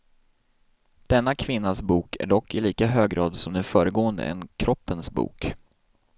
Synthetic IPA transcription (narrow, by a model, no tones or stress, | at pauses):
d̪̥ɛnːakʰvɪnːasbuːkʰæ̰ɖɔkːɪliːkaɦøːɡɡɾɑ̰ːd̪sɔmd̪ɛnfœːɾəɡoːənd̪ə̰ɛ̰nkʰɾɔpːənsbṵːk